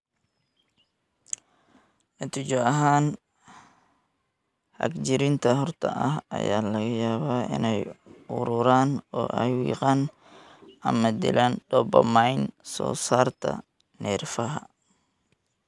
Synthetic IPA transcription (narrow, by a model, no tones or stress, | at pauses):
nɐt̪ʰʊd͡ʒɔɐɦaːn | hɐ̰ɡd͡ʒɪɾɪnt̪ʰɐɦɔrt̪ʰɐʔɐɦɐ̰jaːlɐɣɐjaːβaːʔɪ̰nɛjʊɾʊɾaːnɔːʔɛjwiːqɑːn | ʔɐmɐd̪ɪ̰lʔaːnɖɔbɐmajnsɔ̰ːsaːrt̪ʰɐ̰ | nɛːrfɐɦɐ